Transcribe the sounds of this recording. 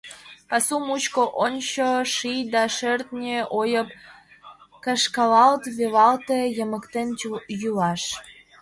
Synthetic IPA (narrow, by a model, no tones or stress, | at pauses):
pɑsumut͡ɕkoʔonʲt͡ɕoʃijd̪ɑʃørt̪nʲeʔojəp̚ | kəʃkɑlɑlt̪βelɑlt̪ejəməkt̪enjuɑʃ